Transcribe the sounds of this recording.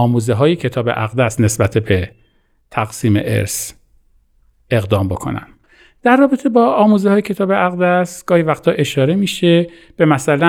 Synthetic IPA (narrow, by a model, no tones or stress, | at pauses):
ɒːmuːzeɦɒːjecʰe̞t̪ʰɒːbe̞̰ʔæ̰ɣd̪æsne̞sbæt̪ʰebe | t̪ʰæɣsiːme̞̰ʔe̞̰ɾs | e̞ɣd̪ɒːmbo̞kʰo̞̰næ̰n | d̪̥æɾːɒːbet̪ʰe̞bɒːɒːmuːzehɒːjecʰe̞t̪ʰɒːbeʔæɣd̪æsɡ̥ɒːhivæxt̪ʰɒːʔe̞ʃɒːɾe̞miːʃe | b̥e̞mæsælæ